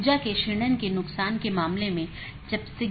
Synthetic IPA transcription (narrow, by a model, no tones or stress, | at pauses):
d͡ʒakeʃɪɽ̃ənkenʊksaːnkemaːmlemẽ | d͡ʒɐbse